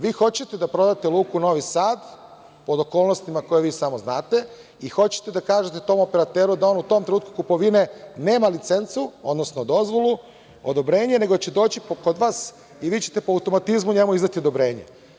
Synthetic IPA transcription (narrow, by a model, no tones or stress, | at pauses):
ʋiːxo̞t͡ɕe̞t̪ed̪apɾo̞d̪at̪elˠuːkuno̞ʋisaːd̪ | po̞d̪oko̞ːlno̞st̪imako̞jeʋiːsamoznaːt̪e̞ | ixo̞t͡ɕe̥t̪ed̪akaːʒet̪e̞t̪o̞mo̞peɾat̪eːɾud̪ao̞ːnut̪o̞mt̪ɾenuːt̪kukupo̞ʋine̞ne̞ːmalit̪se̞nt̪suod̪nosnod̪o̞zʋo̞lˠu | od̪obɾe̞ːɲene̞ɡoat͡ɕed̪o̞ːt͡ɕipkod̪ʋaːs | iʋiːt͡ɕe̞̥t̪e̞poawt̪o̞mat̪izmuɲe̞muizd̪at̪io̞d̪obɾe̞ːɲḛ